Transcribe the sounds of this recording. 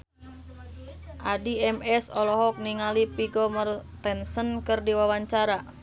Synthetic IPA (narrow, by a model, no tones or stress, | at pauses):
ʔadiɛmɛsɔlɔɦɔk̚niŋalipiɡɔmərt̪ɛnsənkɨrdiwawaɲt͡ʃaɾa